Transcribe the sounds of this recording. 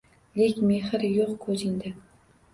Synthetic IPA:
lekʲmehɪɾjoqkʰɵzend̪ɪ

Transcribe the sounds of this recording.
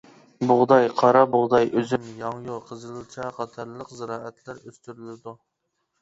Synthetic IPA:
bʊʁd̪ɑjqʰɑɾɑbʊʁd̪ɑjʔøzymjɑŋjoqʰəzɨlˠɨt͡ʃʰɛqɑt̪ʰɑɾlˠəqzɪɾɑːɛt̪ʰlæɾøst̪yɾylɪd̪u

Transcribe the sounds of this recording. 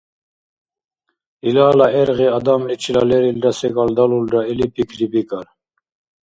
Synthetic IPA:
ilaːlaɛɾɣiad̪amɛt͡ʃʰʼilalɛɾildasɛɡald̪alulɾaɛlipʰikʰɾibikʼaɾ

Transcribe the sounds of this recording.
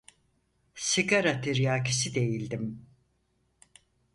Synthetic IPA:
siɡaɾat̪ʰiɾjaːkisid̪e̞jilʲd̪im

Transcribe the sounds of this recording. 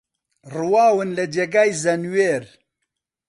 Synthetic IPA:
rɨwaːwɨnlɨd͡ʒeɡaːjzɐnweːɾ

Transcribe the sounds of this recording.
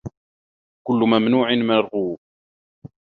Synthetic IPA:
kʊlːʊmæmnuːʕɪnmɪɾˤʁuː

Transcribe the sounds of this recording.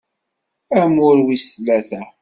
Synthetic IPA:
æmʊɾwislæθæ

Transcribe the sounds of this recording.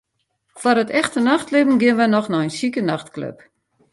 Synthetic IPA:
fwɔrətɛxtənaxtlɪvən̩ɡɪənʋənɔxnɔənsikənaxtklø̰p

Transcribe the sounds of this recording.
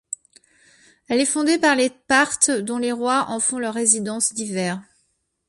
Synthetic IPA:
ɛlɛfɔ̃d̪epaʁlepaʁt̪d̪ɔ̃leʁwaʔɑ̃fɔ̃lœʁːezid̪ɑ̃sd̪ivɛːʁ

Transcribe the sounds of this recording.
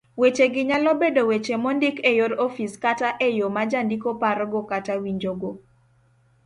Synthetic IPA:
wet͡ʃeɡɪɲalɔbedowet͡ʃemɔndɪkejoɾɔfiskataʔejomad͡ʒandikopaɾɔɡokatawiɲd͡ʒoɡo

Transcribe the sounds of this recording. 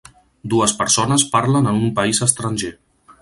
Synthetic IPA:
d̪uəspəɾsonəspaɾlənənumpəizəst̪ɾənʲʒe

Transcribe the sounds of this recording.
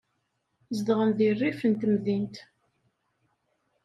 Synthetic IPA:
zd̪ʁəmðirːifənt̪mðint̪

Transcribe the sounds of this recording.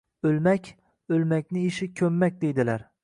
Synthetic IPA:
ɵlmakʲ | ɵlmakʲnɪɪʃɪkʲʰɵmːak̚ʲd̪ejd̪ɪlaɾ

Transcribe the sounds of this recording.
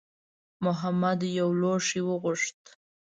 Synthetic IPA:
mʊɦamad̪jawloʂiwəɣʊʂt̪

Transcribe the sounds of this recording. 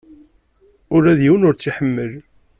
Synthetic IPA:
ʊɾæðjiwənʊɾt͡sːiħəmːəl

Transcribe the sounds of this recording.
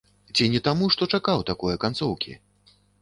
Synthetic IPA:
t͡sʲinʲɛt̪amuʂt̪ɔt͡ʂakawt̪akɔjɐkant̪sɔwkʲḭ

